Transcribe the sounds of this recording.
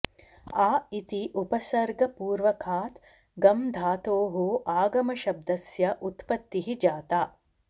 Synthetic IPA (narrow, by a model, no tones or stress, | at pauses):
aːit̪iʔupɐsɐɾɡɐpuːɾʋɐkʰaːt̪ | ɡɐmd̪ʱaːt̪oːɦoːʔaːɡɐmɐʃɐb̚d̪ɐsjɐʔut̪pɐt̪ːiɦid͡ʒaːt̪aː